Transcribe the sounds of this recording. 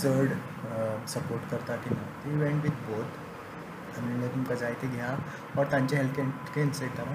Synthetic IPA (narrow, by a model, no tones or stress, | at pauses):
səɾɽ | səpoɾʈkəɾt̪akʰinat̪iʋeɳʈʋid̪̚bot̪ | aminət̪umkəd͡zajt̪eɡʱja | ʋəɾt̪jãɲt͡ɕaɦelke | kenset̪ama